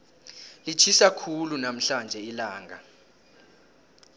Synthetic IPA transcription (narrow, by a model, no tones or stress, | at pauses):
lit͡ʃʰisakʰulunam̩ɬand͡ʒʱɛilaːŋɡʱa